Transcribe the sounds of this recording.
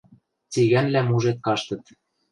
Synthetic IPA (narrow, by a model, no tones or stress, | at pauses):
t͡siɣænlæmuʒet̪̚kɑʃt̪ɤ̆t̪